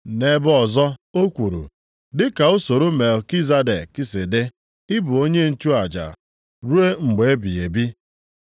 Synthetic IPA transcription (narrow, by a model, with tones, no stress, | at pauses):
ne˨bʊ˦ɔ˨zɔ˦o˦kʷu˨ɾṵ˨ | dɪ˦ka˨o˦so˨ɾo˦me˨lki˦za˦de˨kɪ˦sɪ˨dɪ˦ | ɪ˦bʊ˨o˦ɲe˦n̩˨t͡ʃu˦a˨d͡ʒa̰˨ | ɾu˦e˦ŋ͡m̩˨ɡ͡be˨e˦bi˨e˨bi˦